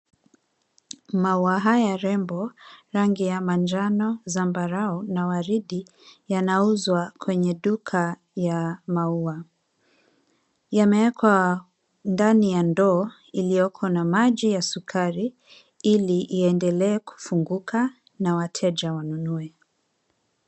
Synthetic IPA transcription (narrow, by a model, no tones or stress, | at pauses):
mauaɦajaɾɛmbɔɾaŋɡijamand͡ʒanɔzambaɾaɔnawaɾiɗi | janauzwakʰwɛɲɛɗukʰa | jamaua | jamɛwɛkwa | ndanijandɔː | ilijɔkʰɔnamaʄijasukʰaɾi | iliʔːɛndɛlɛːku̥fuŋɡukʰa | nawatʰɛʄawanunuɛ